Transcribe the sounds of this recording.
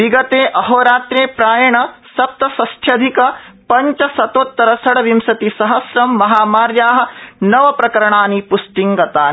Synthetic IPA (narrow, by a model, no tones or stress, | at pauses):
ʋiɡɐt̪eːʔɐɦoːɾaːt̪ɾeːpɾaːjɐɳɐsɐp̚t̪ɐsɐst̪ʰjɐd̪ʱikɐpɐɲt͡ʃɐsɐt̪oːt̪ːɐɾɐsɐɽɐʋimsɐt̪isɐɦɐsɾɐmːɐɦaːmaːɾjaːɦɐ̆nɐʋɐpɾɐkɐɾɐɳaːnipusʈiŋɡɐt̪aː